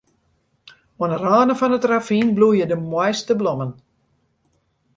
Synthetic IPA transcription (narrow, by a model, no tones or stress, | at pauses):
ɔnəraːnəfɔnətrafinblujədəmwɔjstəblɔmən